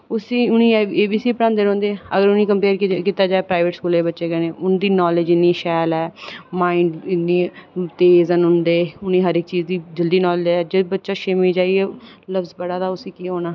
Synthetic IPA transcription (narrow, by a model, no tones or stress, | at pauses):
ʊsiːʊnĩːeːbiːsiːpəɾãːnd̪eːɾõːnd̪eːəɡəɾʊniːkəmpeːɾkiːt̪aːd͡ʒaːeːpɾaːɪʋeʈskuːleːbətːʃeːɡɛːnẽːʊnd̪iːnɔːled͡ʒɪnːĩːʃɛːlɛːmaːɪɳɖɪnːiːt̪eːzənɦʊnd̪eːʊnĩːɦəɾɪk̚t͡ʃiːzd̪iːd͡ʒəld̪iːnɔːld͡ʒɛːd͡ʒebətːʃaːʃɪmiːd͡ʒaːieːləfzbəɽaːd̪aːʊsiːkiːɦoːnaː